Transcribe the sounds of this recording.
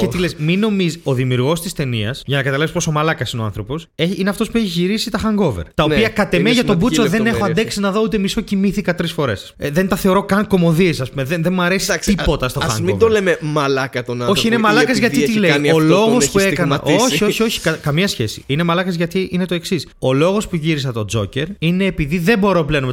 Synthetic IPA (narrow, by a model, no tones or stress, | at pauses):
cet̪ilesmino̞mizo̞ðimiuɾɣo̞st̪ist̪e̞niɐsʝɐnɐkɐt̪ɐlɐvsposomɐlɐkɐsino̞a̰nθɾopo̞seçineɐft̪o̞spueçiʝiɾisit̪ɐxɐŋɡo̞veɾt̪ɐoiɐkɐt̪emeʝɐt̪o̞buso̞ðe̞ne̞xoɐnd̪eksinɐðo̞ut̪emiso̞cimiθikɐt̪ɾisfo̞ɾe̞s | ðent̪ɐθe̞oɾo̞kɐŋko̞mo̞ðiesɐspumeðenðemɐɾe̞si̥st̪ippo̞t̪ɐst̪oxɐ̰ŋmid̪olememɐlɐkɐt̪onɐoçiinemɐlɐkɐzʝɐt̪it̪ilenolo̞ɣo̞sspuekɐnɐoçio̞çio̞çi̥kɐkɐmiɐsçe̞sḭinemɐlɐkɐzʝɐt̪iʔine̞t̪o̞e̞ksiso̞lo̞ɣo̞spuʝiɾisɐt̪o̞d͡zo̞̰ce̞ɾine̞ːpiðiðe̞bo̞ɾo̞pleno